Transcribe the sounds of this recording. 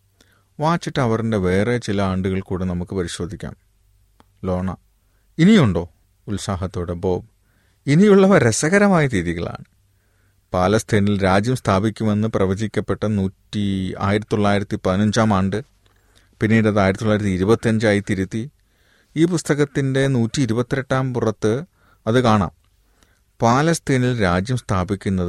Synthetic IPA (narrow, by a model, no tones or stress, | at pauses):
ʋaːt͡ɕːiʈːɐʋɐrinde̞ʋe̞ːre̞t͡ɕilɐaːɳɖuɣɐɭkuːɽenɐmukːɨpɐɾiɕo̞ːd̪ʱikʲːa̰ːm | lo̞ːɳɐ | inijuɳɖo̞ː | ulsaːɦɐt̪ːo̞ːɽebo̞ːb | inijuɭːɐʋɐɾesɐɣɐɾɐmaːjɐtiðiɣɐ̰ɭa̰ːɳɨ | paːlɐst̪ʰeːnilɾaːd͡ʑjɐmst̪ʰaːbikʲːume̞nːɨprɐʋɐd͡ʑikʲːɐpːe̞ʈːɐnuːtːia̰ːjiɾɐt̪ːoɭːaːjiɾɐt̪ːipɐðinɐɲd͡ʑaːmaːɳɖɨ | pinːiːɽɐðaːjiɾɐt̪ːoɭːaːjɾɐt̪ːiiɾubɐt̪ːiɐɲd͡ʑaːjit̪ːiɾut̪ːi | iːpust̪ɐɣɐt̪ːinde̞nuːtːiːɾubɐt̪ːieʈːaːmpurɐt̪ːɨ | ɐðɨkaːɳa̰ːm | paːlɐst̪ʰeːnilɾaːd͡ʑjɐmst̪ʰaːbikʲːunːɐðɨ